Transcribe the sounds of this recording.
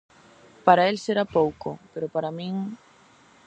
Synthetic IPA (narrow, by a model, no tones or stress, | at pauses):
paɾaelseɾapowko̰peɾopaɾamĩŋ